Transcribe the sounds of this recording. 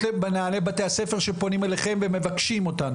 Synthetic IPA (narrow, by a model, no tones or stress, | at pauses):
ebenaale̞bate̞ase̞fe̞ʁʃepo̞nimeleχe̞mve̞me̞vakʃimo̞tan